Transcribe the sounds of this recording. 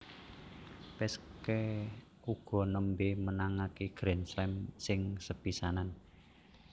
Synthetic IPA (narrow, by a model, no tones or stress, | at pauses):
pɛskɛ | uɡ̥ɔ̤nəmbemənaŋakiɡ̥ɾɛnslɛmsɪŋsəb̥isanan